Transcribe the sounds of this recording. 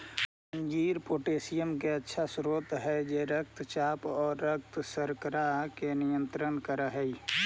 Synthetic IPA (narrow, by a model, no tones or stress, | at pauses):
sə̃nd͡ʒiːɾpoːʈeːsijəmkeətːʃʰasɾoːt̪ɦɛd͡ʒeɾək̚t̪t͡ʃaːpɔːɾːək̚t̪səɾkəɾakenɪjə̃nt̪ɾənkəɾəɦɛi